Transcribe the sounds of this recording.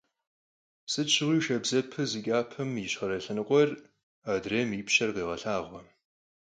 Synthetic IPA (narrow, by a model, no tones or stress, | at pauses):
sɨt͡ʃʰɪʁʷiːʃɐbzɐpʰɨzɨkʲʼaːpʰɨmiɕχɐɾɐɬɨnɨqʷʼɔr | aːdreːmiːpɕɐrqiːʁɐɬaːʁʷɔ